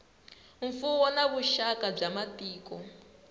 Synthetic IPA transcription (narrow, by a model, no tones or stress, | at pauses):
ɱ̩fuwɔnaβuʃakab͡ʐamatiːkɔ